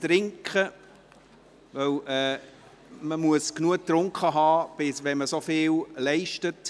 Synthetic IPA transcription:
t̪ɾɪŋkχə | vœlɛː | məmuəsknuək̚t̪ɾʊŋkχəɦɑːb̥ɪsʋɛnməsofɪːllɛɪʃtət

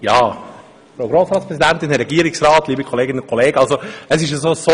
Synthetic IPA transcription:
jɑː | fɾoʊɡɾoːsɾɑːtspɾɛsidænt̪ɪnɾɛɡiːəɾɪksɾɑːt̪liːbəkʰoleːɡɪnənkʰoleːɡəɑlsoəsɪʃəsoːso

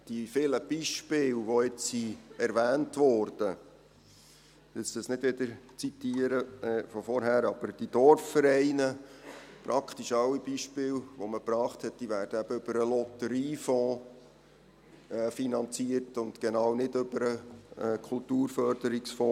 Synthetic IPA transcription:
d̥ifɪləb̥iʃpɪːlʋoɪt͡ssiɛɾʋæːntʋɔɾd̥ə | ɪst̪əsnɪdvɪd̪əɾt͡sitiːəɾəfɔfɔɾɦæːɾɑb̥əɾd̥id̥̪ɔɾffəɾɛɪnəpɾʔɑkʰt̪iʃɑlːib̥iʃpɪːlʋoməpɾɑːχthɛt̚d̥iʋæːɾd̥əæb̥əøb̥əɾəlɔt̪əɾiːfɔ̃ː | ɛfinɑnt͡siːəɾtʊnt̪ɡ̥ɛnɑːwnɪdøbəɾəkʰʊltuːɾfœɾd̥əɾiksfɔ̃ː

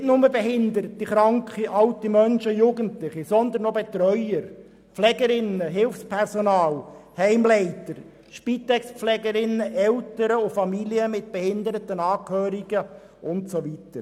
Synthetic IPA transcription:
tnʊməbɛɦɪnd̪əɾətːiχɾɑŋkχiʔɑltimœnʃəjuːɡəntlɪχisɔnd̪ənːobɛt̪ɾœʏəɾ | pflɛɡəɾɪnəɦɪlfspʰɛɾsonɑːlhɛɪmlɛɪtəɾ | ʃpit̪ɛkspflɛɡəɾɪnːəʔɛltəɾəʊfɑmiliəmɪt̚b̥ɛhɪnd̪əɾətənɑːkhøːɾiɡ̥ə | ʔʊntsoʋitəɾ

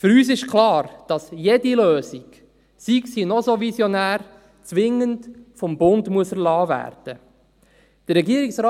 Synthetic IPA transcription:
fʏɾyːs̬ɪʃkʰlɑːɾd̥ɑsjediløːzik | siksinɔzovisjonæːr | t͡sʋɪŋəntfɔmbʊndmuəsəɾlɑːvæ̰ːɾd̥ə | d̥ərːɛɡiəɾiksɾɑː

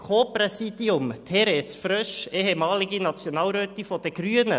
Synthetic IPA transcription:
kʰoːprɛsiːd̥iʊmt̪ʰɛɾɛsfɾœʃeːhemɑːliɡinɑt͡sjonɑːlɾøːt̪ifod̥əɡ̥ɾyənə̰

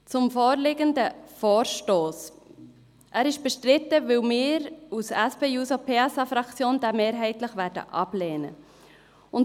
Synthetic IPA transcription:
t͡sʊmfoːɾlɪɡəndəfoːɾʃtoːs | ʔæːɾɪʃb̥ɛʃtɾɪt̪əʋɪwmɪːɾusɛspeːjuːsopʰeɑsɑfɾɑkt͡sjoːnd̪ɛmeːɾɦɛɪtləχʋæːɾdə̰ʔɑ̰b̥lɛːnə̰ | ʊn

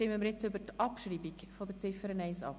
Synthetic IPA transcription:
tɪməmiːɾjɛet͡sʏbəɾtɑpʃɾiːbikfɔd̥̪əɾt͡sɪfəɾənɛɪsɑ̰p

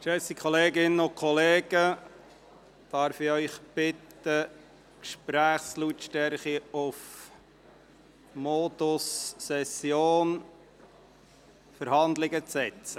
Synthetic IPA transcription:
ʃɛsikχɔleːɡɪnːəʊkʰɔleːɡ̥ə | d̪̥ɑɾfɪœʏχb̥ɪt̪ | ə | kʃpɾæːχslutʃtɛɾχiʊf | mod̪ʊsːɛsjoːn | fəɾhɑnd̪lɪɡət͡sɛt͡sə

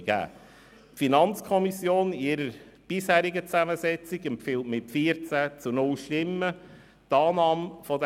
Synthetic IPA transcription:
ɡ̥æ̰ː | finɑnt͡skʰɔmisjoːnɪɾəɾb̥ɪshæːɾiɡət͡sæməsɛt͡sɪɡəmfɪltmɪtfiːəɾt͡sæt͡sunʊlʃtɪmːə | tɑːnɑːmfɔd

